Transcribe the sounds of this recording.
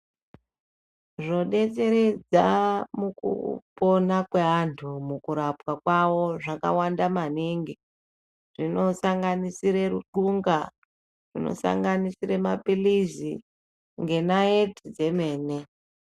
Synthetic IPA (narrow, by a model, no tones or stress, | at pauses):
ʐo̞ɗe̞t͡se̞ɾed͡zamukṵpo̞nakweantʰumukuɾapwakwawo̞ʐaka̰wandamaniŋɡi | ʐino̞saŋɡanisiɾe̞ruǃuŋɡa | ʐino̰sa̰ŋɡanisiremapilizḭ | ŋɡe̞naetid͡ze̞me̞ːne̞